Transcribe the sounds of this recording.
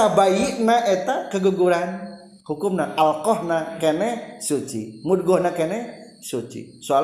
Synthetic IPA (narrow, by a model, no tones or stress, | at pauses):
abajiʔnaʔet̪akəɡuɡuɾan | hukʊmnaʔalkɔhnakenɛhsut͡ʃḭmud̚ɡɔhnakenɛ | sut͡ʃḭ | soal